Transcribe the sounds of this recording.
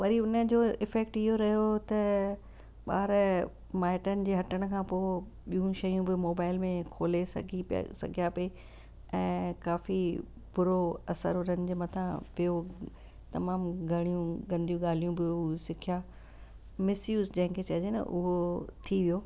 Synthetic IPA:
ʋɐɾiʊnəd͡ʑoːɪfɛːk̚ʈɪɦoɾɐɦijot̪ɐ | ɓa̰ːɾ | maːɪʈənɪ̆d͡ʑeːɦɐʈəɽ̃ə̆kʰãːpoː | ɓijũʃɐjũbɪmoːbaːɪlmẽkʰoːlesɐ̰ɡʱḭsɐ̰ɡʱijape | ɛ̃ːkaːfi | bʊɾoɐsə̰ɾʊɾɐ̃ɲɪ̆d͡ʑmɐt̪ʰãpɪjo | t̪ɐmaːmɡʱɐɽ̃ijũɡɐ̃nd̪ijũɠaːl̤ijũbɪosɪkʰija | mɪsjuːzd͡ʑɐ̃ɦɪ̃kʰet͡ɕɐd͡ʑenɐ̰ʔʊ̰ɦot̪ʰiʋijoː

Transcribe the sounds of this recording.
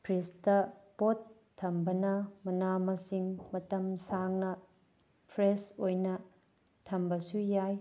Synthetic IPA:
pʰɾistɐpotʰː | ɐmbɐnɐmɐnamɐsiŋmɐtɐmsaŋnɐ | pʰɾesojnɐ | tʰɐmbɐsujaj

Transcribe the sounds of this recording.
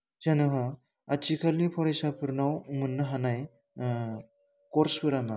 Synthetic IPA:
d͡ʒanɯɦ | at͡ʃikʰalnipʰɔɾejsapʰɯɾnawmɯnːɯɦanaj | kɔɾspɯɾama

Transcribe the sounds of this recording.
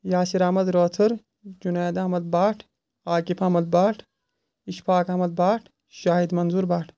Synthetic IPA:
jaːsiɾaːmɐd̪ɾoːt̪ʰɐɾ | d͡ʒunaːd̪aːmɐd̪̚baːʈʰ | aːkifɐmɐd̪̚baːʈʰ | iʃpʰaːkɐmɐd̪̚baːʈʰ | ʃaːɦid̪mɐnzuɾbaːʈʰ

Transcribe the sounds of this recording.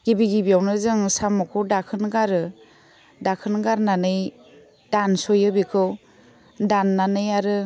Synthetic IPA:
ɡ̥ibiɡibiawnɯzɯŋsamɔkʰɯwdakʰɯnɡaɾɯ | dakʰɯnɡaɾnanɯj | d̥ansɔjɯbikʰɯw | danːanɯjaɾɯ

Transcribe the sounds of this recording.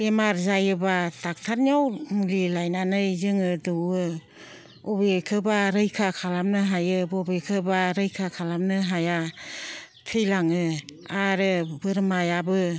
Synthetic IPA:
emaɾzajɯbatak̚tʰaɾniawŋlilajnanɯjzɯŋɯdɯwɯ | ɔbekʰɯbaɾɯjkʰakʰalamnɯɦajɯbɔbekʰɯbaɾɯjkʰakʰalamnɯɦaja | tʰɯjlaŋɯaɾɯbɯɾmajabɯ

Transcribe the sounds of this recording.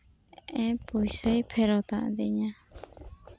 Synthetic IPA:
ɛ̃pujsəjpʰɛɾɔt̪a̰ʔd̪ɛɲa

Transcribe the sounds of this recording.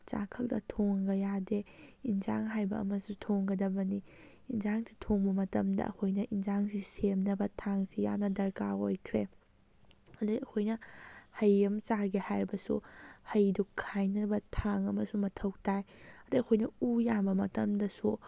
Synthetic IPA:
t͡ʃa̰kʰɐldɐ̰tʰoŋɡɐjadeinza̰ŋɦajbɐ̰ːmɐsutʰoŋɡɐdɐbɐni | inzaŋsi̥tʰoŋbɐmɐtɐmdɐ̰ɐ̰kʰojnɐʔinzaŋsisemnɐbɐtʰaŋsija̰mnɐdɐɾkaojkʰɾe | ɐduɐkʰojnɐhɐjːɐmt͡ʃaɡihajɾbɐsṵhɐjdukʰːajnɐbɐtʰaŋɐmɐsumɐtʰɐwtajɐduɐkʰojnɐujambɐmɐ̰tɐmdɐsu

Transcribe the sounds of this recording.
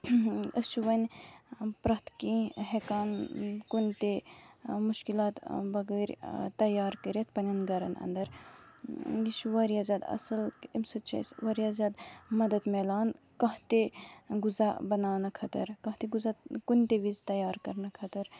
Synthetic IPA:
ət͡ʃʰuʋɐnʲ | pɾɐt̪kĩɦekaːnkunʲt̪e | muʃkilaːt̪bɐɡəːɾʲt̪ɐjaːɾkəɾjɐt̪ʰpɐnʲɐnɡɐɾɐ̰nɐ̰nd̪ɐɾ | jiʃʰuʋɐɾjaːzʲaːd̪ɐ̰sɐlimsɐt͡ʃʰɐ̰sʋɐɾijazʲaːd̪mɐd̪ɐd̪melaːn | kɐɦt̪eɡuzabɐnaːnɐkʰɐt̪ɐɾkɐɦt̪eɡuzakunt̪eʋizt̪ɐjaːɾkɐɾnɐkʰɐt̪ɐɾ

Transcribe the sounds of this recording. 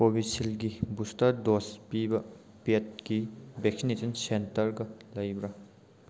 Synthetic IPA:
pobisilɡibustɐɾdospibɐ | pet̚ɡibek̚sinetɐnsentɐɾɡɐlɐjbɾɐ

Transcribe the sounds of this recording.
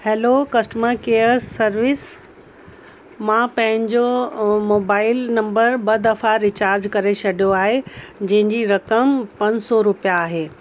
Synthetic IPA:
heːlokɐsʈəməɾkeːəɾsɐɾʋɪs | mãpɐ̃ɦɪ̃ɲd͡ʑomoːbaːɪlnɐ̃mbəɾbɐd̪ɐfaɾɪt͡ɕaːɾd͡ʑkɐɾet͡ɕɐɖijoaːɦed͡ʑɐ̃ɦɪ̃ɲd͡ʑiɾɐkəmpɐ̃ɲsɔɾʊpijaːɦeː

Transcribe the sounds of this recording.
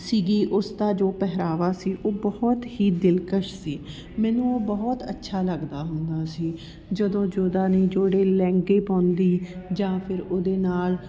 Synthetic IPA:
siːɡiːʔʊst̪aːd͡ʒoːpɛɦɾaːʋaːsiːʔoːbɔːɔt̪hiːd̪ɪlkəʃsiː | mɛːnũːoːbɔːt̪ə̰tːʃʰaːləɡd̪aːɦʊnd̪aːsiː | d͡ʒəd̪õːd͡ʒoːd̪aːniːd͡ʒoːɽeːlɛ̃ːŋɡeːpɔ̃ːnd̪iːd͡ʒãːpʰɪɾoːd̪eːnaːl

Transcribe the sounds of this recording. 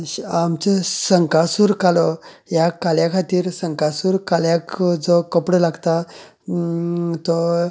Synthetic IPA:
amt͡ɕesəŋkasuːɾkalɔ | jakaljakʰat̪iːɾsəŋkasuːɾkaljakd͡zɔkəpɽəlaɡt̪a | t̪ɔ

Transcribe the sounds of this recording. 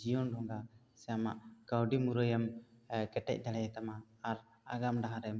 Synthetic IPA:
d͡ʒijɔnɖʱɔŋɡa | sɛjama̰ʔkəwɖimuɾəjəmkɛʈɛ̰c̚d̪alɛjɛt̪amaː | ɾ | aɡamɖaɦãɾɛm

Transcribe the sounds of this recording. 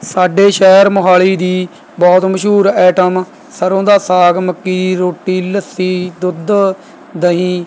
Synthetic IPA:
saːɖeːʃɛːɾmʊɦaːɭiːd̪iː | bɔːt̪məʃuːɾɛːʈəm | səɾõːd̪aːsaːɡməkːiːɾoːʈːiːləsiːd̪ʊd̪ | d̪əɦĩː

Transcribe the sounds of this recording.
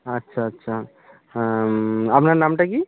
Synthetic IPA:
ətːʃʰaːtːʃʰa | əpnanamʈaki

